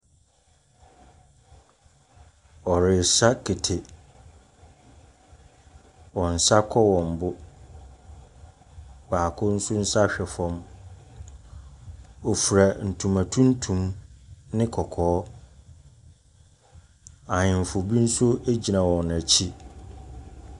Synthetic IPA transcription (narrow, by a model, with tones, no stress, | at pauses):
ɔ˨ɾɪ˨sa˦kʰe˨tʰe˨ | wɔ̃˨n̩˨sa˦kʰɔ˦wɔ̃˨m˨bʊ˦ | waː˨kʰʊ˦n̩˦sʊ˦n̩˦sa˦ɕᶣɛ˨fɔ̃˦m | ɔ˨fu˨ɾa˨n̩˨tʰũ˨mã˨tʰũ˦n̩˦tʰũ˨mnɪ̃˦kʰɔ˨kʰɔː˨˦ | ã˨ɲɪ̃˨m˨fʊ˨bi˦n̩˦sʊ˦æ˦d͡ʑi˨nã˨wɔ̃˨n˨æ˨t͡ɕʰi˦